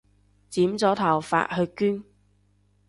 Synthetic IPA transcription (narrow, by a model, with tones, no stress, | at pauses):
t͡siː˨˥mt͡sɔː˨˥t̪ʰɐ˨˩wfa̰ː˧˨t̚hɵ˧kyː˥n